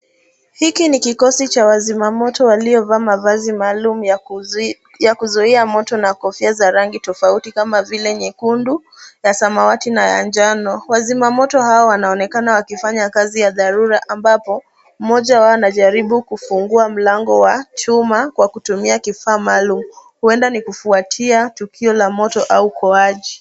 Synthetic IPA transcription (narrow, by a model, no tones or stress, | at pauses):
hikinikikɔsit͡ʃawazimamɔtɔwaliɔvaːmavazimalumuj | jakuzɔiamɔtɔnakɔfiazaɾaŋɡitɔfautikamavilɛɲɛkundu | jasamawatinaja̰nd͡ʒanɔwazimamɔtɔhaɔwanaɔnɛkanawakifaɲakazijaðaɾuɾaʔambapɔ | m̩mɔʄawaɔnaʄaɾiɓukufuŋɡuam̩laŋɡɔwat͡ʃumakwakutumiakifaːmaːlumuhuɛndanikufuatʰiatukʰiɔlamɔtɔʔaukʰɔaʄi